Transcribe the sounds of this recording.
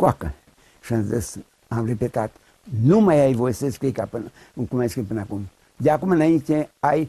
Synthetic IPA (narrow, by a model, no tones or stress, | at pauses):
kʷakə̰ | ʃə̃nzəs | ãmɾepet̪at̪ | numajajvojseskikapɨn | ŋkumaskipənakum | jakumənaĩt͡ʃẽaj